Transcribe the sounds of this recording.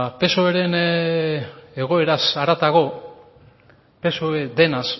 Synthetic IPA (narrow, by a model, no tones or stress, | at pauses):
pe̞soeɾe̞n | eɣ̞o̞e̞ɾasaɾat̪aɣo̞ | pe̞soed̪e̞nas